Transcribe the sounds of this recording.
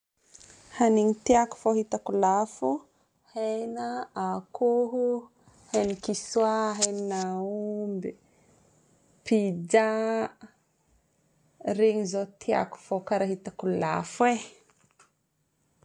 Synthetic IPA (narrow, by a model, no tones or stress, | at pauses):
haniɲit̪iaku̥foɦit̪akulafu | hejnaakʰuɦu | henikisuaɦeninaumbi | pid͡ʒa | reɲizot̪ʰia̰ku̥fokaɾaɦit̪akula̰fwe